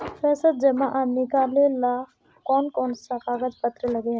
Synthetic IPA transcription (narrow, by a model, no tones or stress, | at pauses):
fɛːsət̪̚d͡ʒɐmaʔanɪkaːlelaː | kɔːnkɔːnsakaːɡəd͡ʒpət̪ɾəlɐɡe